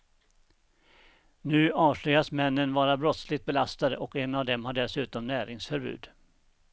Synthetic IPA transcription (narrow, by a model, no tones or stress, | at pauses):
nʉ̟ːɑːʂʏasmɛnːənvɑːɾabɾɔt̪slɪɡt̪̚bɛlast̪ad̪ə̰ʔɔkɛnavd̪ɛmhaɖɛsʉ̟ːt̪ɔmnæːɾɪŋsfœɾbʉ̟̰ːd̪